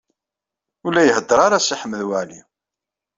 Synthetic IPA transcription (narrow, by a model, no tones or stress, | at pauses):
ulːæjəɦəd̪ːəɾˤaɾasiħəmːəðwaʕli